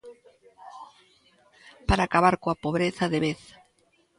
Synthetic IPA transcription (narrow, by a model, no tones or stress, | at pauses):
paɾaːkaβaɾkoapoβɾeθaðeβeθ